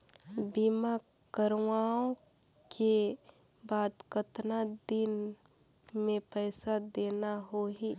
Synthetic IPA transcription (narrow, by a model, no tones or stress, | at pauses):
biːma | kəɾʋaːõ | ke | baːd̪kət̪nad̪ɪn | mẽpɛːsad̪eːnaɦoɦiː